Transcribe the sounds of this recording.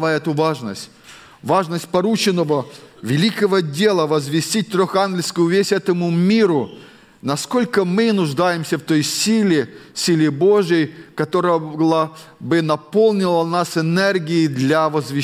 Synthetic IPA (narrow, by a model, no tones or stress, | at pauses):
aɛt̪ʊvaʐnə̰sʲt̚ʲ | vaʐnəsʲtʲpɐɾut͡ɕɪnːəvəvʲɪlʲikəvədʲelˠəvəzvʲɪsʲtʲit̚ʲt̪ɾʲoxanɡʲlʲɪjskʊjʊvʲesʲɛt̪əmʊmʲiɾʊ | nɐsko̞lʲkəmɨnʊʐd̪ajɪmsʲəft̪o̞jsʲilʲɪsʲilʲɪbo̞ʐjəjkɐt̪o̞ɾəjəlˠəbɨnɐpo̞lˠnʲɪlˠənasɪnɛrɡʲɪɪd̪lʲavəzvʲɪ